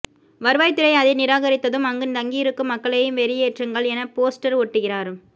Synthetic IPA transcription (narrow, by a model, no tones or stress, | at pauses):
ʋɐɾɯʋaːɪt̪ːɪɾɐɪɐðɐɪnɪɾaːɣɐɾɪt̪ːɐðɯmɐŋɡɯnd̪ɐŋɡijɪɾɯkːɯmɐkːɐɭɐjɯmʋɛɾɪjeːʈrɯŋɡɐɭɛnɐpoːsʈɐɾɔʈːɯɣɪraːɾɯm